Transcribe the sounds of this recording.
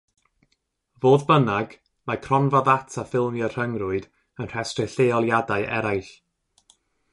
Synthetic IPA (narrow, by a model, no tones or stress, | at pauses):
voːðbənaɡ̥ | makʰrɔnvɔðatʰafɪlˠmjɔr̥əŋrʊɨd | ənr̥ɛstrɛɬeɔlˠjadaɨʔɛ̰ɾajɬ